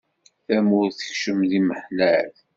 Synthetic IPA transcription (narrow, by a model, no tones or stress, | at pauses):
θæmʊɾθə̥çʃəmðiməħlæθ